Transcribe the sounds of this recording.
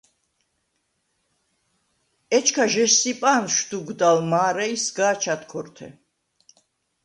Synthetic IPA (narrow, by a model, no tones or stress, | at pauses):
ɛt͡ʃʰkʰaʒɛʃsipʼanʃd̪uɡd̪almaːɾɛisɡaːt͡ʃʰat̪kʰɔɾt̪ʰɛ̰